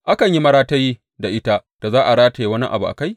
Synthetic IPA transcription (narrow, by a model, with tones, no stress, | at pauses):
ʔa˦kɐ˨ɲji˦mɐ˦ɽaː˦ta˦ji˦ | da˨ʔɪ˦ta˦d̥a˨zaː˦ʔa˨ɽaː˦ta˨ji˦wɐ˦ni˦ʔa̰˨bu˨ʔa̰˨ka˦j